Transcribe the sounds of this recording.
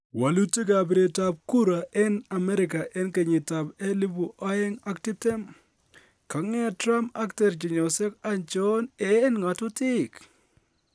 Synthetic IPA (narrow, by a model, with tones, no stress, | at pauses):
wa˨lu˦te˦ɡa˨bɪ˨ɾe˨ta˦b̚ku˦ɾa˨ʔɛ˦na˨mɛ˦ɾɪ˨ka˨ʔe˦nke˨ɲɪ˨ta˨be˦li˦bu˨ʔa˦je˦ŋa˦ktɪ˦b̚tɛ˦m | ka˨ŋe˦˨tɾa˦ma˦ktɛ˨ɾd͡ʒi˨ɲɔ˨se˦ka˨nt͡ʃɔ˦ne˨˦nŋa˨tʊ˦tɪ˦˨k